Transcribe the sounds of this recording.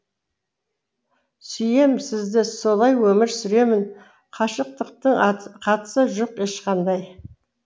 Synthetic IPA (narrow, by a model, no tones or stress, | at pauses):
sʏje̞msɪzd̪ɪso̞lˠɑjwɵmɪɾsʏɾe̞mɪn | qʰɑʃəq̚t̪əq̚t̪əɴqʰɑt̪ə̥səʒo̞qe̞ʃqɑnd̪ɑj